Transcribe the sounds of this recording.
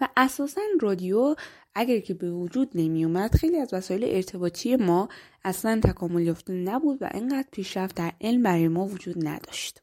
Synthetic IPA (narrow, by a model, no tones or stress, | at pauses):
væʔæsɒːsænrɒːd̪ijo | æɟæɾcʰe̞be̞vod͡ʒuːd̪̚nemijumæd̪̥xe̞jliæzvæsɒːje̞leʔeɾt̪ʰe̞bɒːt̪ʰije̞mɒː | æslænt̪ʰækʰɒːmoljɒft̪enæbuːd̪væ̰ʔeɴɢæːd̪̥pʰiːʃɾæft̪̚d̪æɾʔe̞lmbæɾɒːjemɒːvod͡ʒuːd̪næ̰d̪̥ɒʃt̪